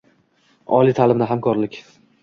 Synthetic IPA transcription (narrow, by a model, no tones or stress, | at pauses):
ɒ̰lˠijt̪ʰalɪmnɪɦamkʰɒɾlɪkʲ